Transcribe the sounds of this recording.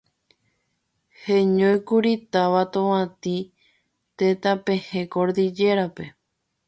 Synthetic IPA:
heɲõjkuɾit̪aʋat̪õwãt̪i | t̪et̪apẽ̞hẽkoɾd̪id͡ʒe̞ɾape̞

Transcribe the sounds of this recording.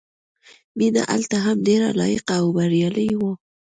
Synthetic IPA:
bina̰ʔa̰lt̪aɦamɖeɾa̰lɑ̰jɪqaːwbaɾjɑləjwo

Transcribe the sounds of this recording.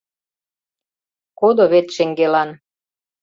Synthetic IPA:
kod̪oβet̪ʃeŋɡelɑn

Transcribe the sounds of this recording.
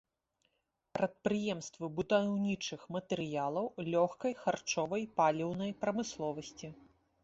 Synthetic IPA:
pɾɐt̪̚pɾɨjɛmst̪vɨbud̪awnʲit͡ʂɨxmɐt̪ɛɾɨjalˠɐwlʲɔxkɐjxart͡ʂɔvɐjpalʲiwnɐjpɾɐmɨslˠɔvɐsʲt͡sʲi

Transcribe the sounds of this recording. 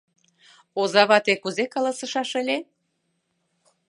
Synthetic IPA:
ozɑβɑt̪ekuzekɑlɑsə̆ʃɑʃə̆lʲe

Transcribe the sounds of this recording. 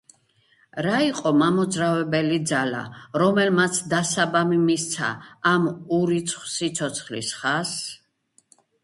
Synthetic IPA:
ɾaiqʼɔmamɔd̪zɾavɛbɛlid̪zala̰ɾɔmɛlmat̪sʰd̪asabamimist̪sʰa̰ːmuɾit̪sʰχwsit̪sʰɔt̪sʰχlḭsχas

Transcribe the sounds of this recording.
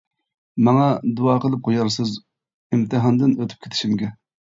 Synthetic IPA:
mɑŋɑd̪uɑːqʰəlˠɨp̚qʰojɑɾsɨz | imt̪ʰɨɦɑnd̪ɨnøt̪ʰy̥p̚kʲʰet̪ʰʃimɡʲɛ

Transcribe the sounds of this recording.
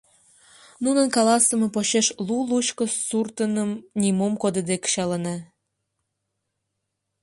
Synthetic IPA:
nunənkɑlɑsəme̽poɕeʃlulut͡ɕkə̆surt̪ənəmnʲimumkod̪əd̪ekɕɑlənɑ

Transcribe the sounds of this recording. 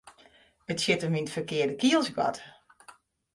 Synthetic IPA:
ətsɪtəmʋintfərkɪərdəkiəlˠsɡɔ̰t

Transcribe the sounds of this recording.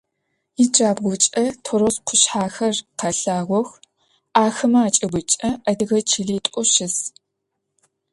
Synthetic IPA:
id͡ʒaːbɣʷʊt͡ʃʼɐtʰoɾosqʷʰʊɕħaːxɐrqʰɐɬaːʁʷɔx | ʔaːxɨmɐaːt͡ʃʼɐbʷʊt͡ʃʼɐɐdɨɣɐt͡ʃʰiɮiːtʼɔʃɪs

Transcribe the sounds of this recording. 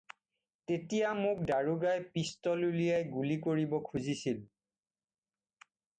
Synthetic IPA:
tetijamʊk̚daɹuɡajpistɔlulijajɡulikoɹibɔkʰuzisil

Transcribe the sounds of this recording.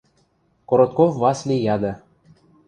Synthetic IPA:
koɾot̪̚kovvɑslʲijɑd̪ɤ̆

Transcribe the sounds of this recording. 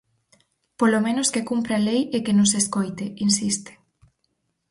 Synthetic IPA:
polomẽnoskekumpɾalejekenõŋseskojt̪einsist̪e̥

